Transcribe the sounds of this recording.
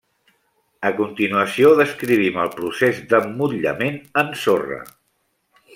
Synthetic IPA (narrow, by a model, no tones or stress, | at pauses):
əkunt̪inuəsioðəskɾiβ̞iməlˠpɾusezd̪əmːuʎə̰menənsorə̰